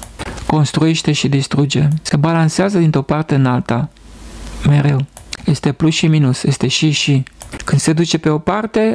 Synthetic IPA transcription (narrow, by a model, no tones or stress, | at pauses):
ko̞nst̪ɾue̞ʃt̪e̞ʃid̪ist̪ɾud͡ʒe̞se̞balanseazəd̪int̪ɾo̞part̪e̞ɨnalt̪a | me̞ɾe̞wje̞st̪e̞plusʃiminusje̞st̪e̞ʃiʃikɨnd̪se̞d̪ut͡ʃe̞pe̞o̞part̪e̞